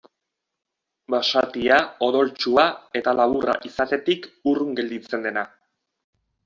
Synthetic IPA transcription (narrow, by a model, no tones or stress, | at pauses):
baʃat̪iao̞ðo̞lt͡ʃuae̞t̪alaβ̞urʔa̰ʔisat̪e̞t̪ikuruŋɡe̞ld̪it͡se̞nd̪e̞na